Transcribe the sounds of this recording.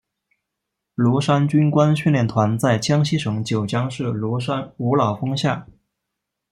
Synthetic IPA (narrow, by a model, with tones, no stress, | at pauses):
lu˧˥ʂa˥nt͡ɕy˥nkwa˥nɕy˥˧nljɛ˥˩nt̪ʰwa˧˥nt͡sa˥˩ɪt͡ɕʰjɑ˥ŋɕi˥ʂɤ˧˥ŋt͡ɕjo˨˩ʊt͡ɕjɑ˥ŋʂɻ̩˥˩lʂa˥nu˧˥lɑ˨˩ʊfɤ˥ŋɕja˥˩